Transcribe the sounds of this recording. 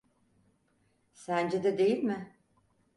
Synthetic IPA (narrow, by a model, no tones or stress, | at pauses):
sænd͡ʒed̪ɛd̪e̞jilʲmɪ